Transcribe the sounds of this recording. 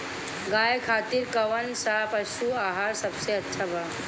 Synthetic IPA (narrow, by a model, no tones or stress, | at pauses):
ɡaːjekʰaːt̪iɾkəʋənsapəʃuaːɦaːɾsɐbseɐtːʃʰabʱa